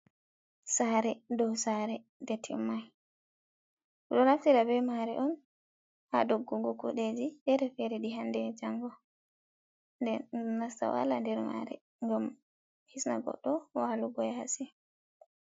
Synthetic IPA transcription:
saɾɛdɔsaɾɛ | dɛtʰimːaj | ɗɔɾaftiɾabɛmaɾɛ̰ʔɔn | ha̰doɡːuɡɔkṵɗed͡ʒidɛɾɛfɛɾɛɗiɦandɛd͡ʒaŋɡɔ | ndɛnasta̰wa̰landɛɾma̰ɾɛ̰ | ŋɡam | hisna̰ɡɔ̰ɗːɔwaluɡɔɛasi

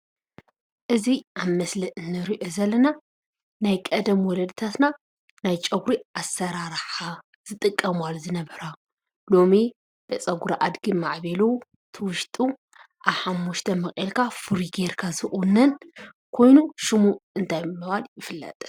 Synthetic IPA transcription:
ʔɨziʔaβmɐslɨʔɨnːɨɾiʔozɐlːɐna | najkʼɐd̪ɐmwɔlɐd̪t̪ʰat̪na | najt͡ʃʼɐɡɾiʔasɐɾaɾħa | z̥ɨt̪ʼɨkʼːɐmalzɨnɐβhɨɾa | lo̞mi | b̥ɐt͡sʼɐɡuɾaʔad̪ɡimaʕβelo | t̪ʰɨwʊʃt̪ʼu | ʔaβħamːuʃt̪ʰɐmɐxʼelkʰafɨɾiɡeɾkʰazɨʔʼunːɐn | kʰo̞jnuʃɨmuɨnt̪ʰajmɨβaljɪfɨlːɐ̰t̪ʼ

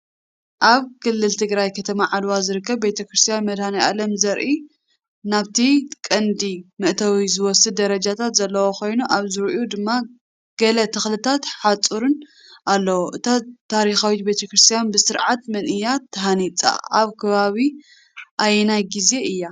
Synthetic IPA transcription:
ʔaβkʰɨlːɨlt̪ʰɨɡɾajkʰɐt̪ʰɐmaʕad̪wazɨɾɨkʰːɐβbet̪ʰɐkɾɨst̪ʰijanmɐd̪hanɐjʔalɐmzɐɾʔi | naβt̪ʰikʼɐnd̪imɨʔt̪ʰɐwizɨwɔsɨd̪d̪ɐɾɐd͡ʒat̪ʰat̪zɐlːɐwoko̞jnuʔaβzɨɾʔud̪ɨmːa | ɡ̥ɐlɐt̪ʰɨxlɨt̪ʰat̪ħat͡sʼuɾɨn | ʔalːɐwoʔɨt̪ʰat̪ʰːaɾixawit̪bet̪ʰɐkɾɨst̪ʰijanbɨsɨɾʕat̪mɐnʔɨjːat̪ʰːɐɦanit͡sʼa̰aβkʰɐβaβi | ʔajnajɡize̞ɨjːa

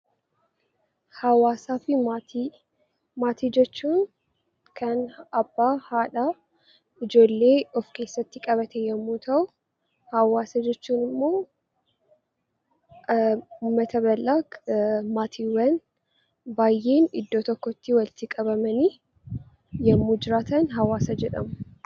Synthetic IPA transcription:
hɐwaːsaːfɪmat̪i | maːt̪id͡ʒɛt͡ʃːuːn | kʰɐnɐbːaːhaːᶑa | ɪd͡ʒo̞ːlːe̞ːɔfke̞ːsːɐt̪ːɪkʼɐβɐt̪ʰɛjɛmːuːt̪ʰɐw | hɐwaːsɐd͡ʒɛt͡ʃːuːnɪmːo̞ː | ʊmːɐt̪ʰɐβɐlːaːmaːt̪ʰiwɐn | baːjːe̞ːnɪd̪ːoːt̪ɔkːɔɪt̪ːɪwɐlt̪ɪkʼɐβɐmɐni | jɛmːuːd͡ʒɪɾaːt̪ɐnɦɐwaːsɐd͡ʒɛᶑɐmʊ

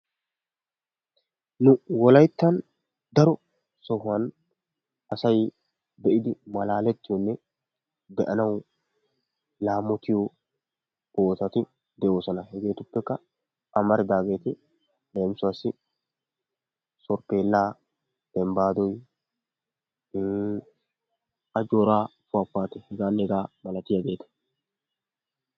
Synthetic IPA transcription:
nʊwɔlɐjt̪ːɐn | d̪ɐɾɔ | sɔhʊɐn | ɐsɐj | d̪ɛʔɪd̪ɪmɐlaːlɛt̪ːɪjɔnːɛ | d̪ɛʔɐnɐw | laːmːɔt̪ɪjɔ | oːt̪ɐt̪ɪ | d̪ɛʔo̞ːsɔnɐhɛɡe̞ːt̪ʊpːɛkːɐ | ʔɐmɐɾɪd̪aːɡe̞ːt̪ɪ | leːmsʊwasːɪ | sɔɾpe̞ːlːaː | d̪̥ɛmbaːd̪ɔj | ʔɐd͡ʒoːɾaːfʊɐfːaːt̪ɛhɛɡaːnːɛɛɡaːmɐlɐt̪ɪjɐɡe̞ːt̪ɐ̥

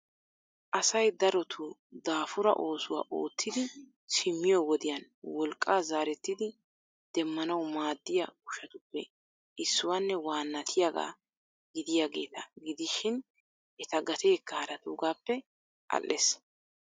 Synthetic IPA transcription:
ʔɐsɐjd̪ɐɾɔt̪ʰʊd̪aːfʊɾɐ̰ʔo̞ːsʊwa̰ːʔo̞̰ːt̪ːɪd̪ɪ | t͡ʃɪmːɪjɔwɔd̪ɪjɐn | wɔlkʼːaːzaːɾɛt̪ːɪd̪ɪ | d̪̥ɛmːɐnɐwmaːd̪ːɪjɐʊʃɐt̪ʊpːɛ | ʔɪsːʊwaːnːɛwaːnːɐt̪ʰɪjaɡa̰ː | ɡɪd̪ɪjaːɡe̞ːt̪ɐɡɪd̪ɪʃɪn | ʔɛt̪ɐɡɐt̪e̞ːkːɐhɐɾɐt̪uːɡaːpːɛ | ʔɐ̰lʔːes

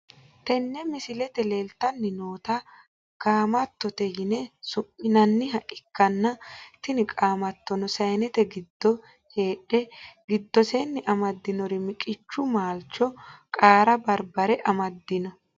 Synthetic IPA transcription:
t̪ɛnːɛmɪsɪlɛt̪ɛleːlt̪ːɐnːɪnoːt̪ɐ | kʼaːmɐt̪ːɔt̪ɛjɪnɛsʊʔɪnɐnːɪɦɐʔɪkːɐnːɐt̪ɪnɪkʼaːmɐt̪ːɔnɔsɐjnɛt̪ɛɡɪd̪ːɔ | he̞ːᶑɛɡɪd̪ːɔsenːɪʔɐmɐd̪ːɪnɔɾɪmɪkʼɪt͡ʃːʊmaːlt͡ʃːɔkʼaːɾɐbɐɾbɐɾɛʔɐmɐd̪ːɪnɔ

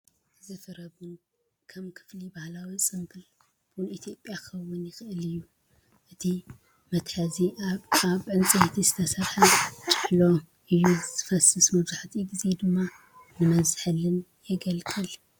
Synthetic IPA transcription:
zɨfɨɾɐβun | kʰɐmkʰɨ̥flibahlawisʼɨmɡɨl | b̥ulit̪ʰijo̞pʼjaxɐwʊnjɪxɨʔɨlɨjːu | ʔɨt̪ʰi | mɐt̪ħɐziaβʕɨnt͡sʼiht̪ʰizɨt̪ʰɐsɐɾħɐt͡ʃʼɨħlo̞ | ʔɨjːuzɨfɐsɨsmɐβzaħt̪ʰiɡized̪ɨmːa | nɨmɐβzɨħɨlɨnjɛɡɐlkʰʼɨl

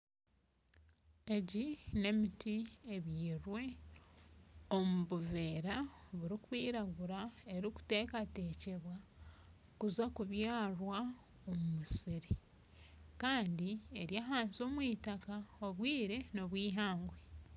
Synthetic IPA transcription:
e̞ɟine̞mitieβiːɾwe̞ | o̞muβuveːɾaβuɾikwiːɾaɡuɾae̞ɾiku̥te̞ːkate̞ːce̞βwa | kuzakuβjaːrwa | o̞mumusiɾi | kaːndie̞ɾjaːɦaːnzo̞ːmwiːtakaoβwiːɾe̞no̞βwiːɦaːŋɡwe

